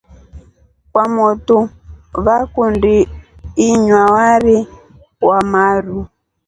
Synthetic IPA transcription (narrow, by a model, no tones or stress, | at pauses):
kwamɔtu | βakundiː | ɲwawaɾi | wamaɾu